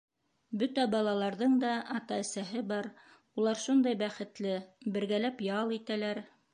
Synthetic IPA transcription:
bɵt̪æbɑlˠɑlˠɑɾðɤɴd̪ɑɑt̪ɑɘ̆sæɦɘbɑɾ | ulˠɑɾʃund̪ɑjbæχɘ̆t̪lɘbɘ̆ɾɡælæpjɑlˠit̪ælæɾ

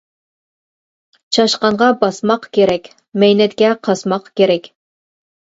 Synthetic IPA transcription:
t͡ʃʰɑʃqɑɴʁɑbɑsmɑqkʲeɾɛkʲ | mɛjnɛt̪̚kʲɛqʰɑsmɑqkʲeɾɛkʲ

